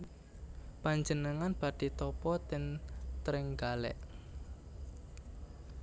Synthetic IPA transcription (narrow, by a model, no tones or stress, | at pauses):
paɲd͡ʒənəŋanb̥a̤d̪̥i̤t̪ɔpɔt̪ɪnt̪ɾɪŋɡalɛ̰ʔ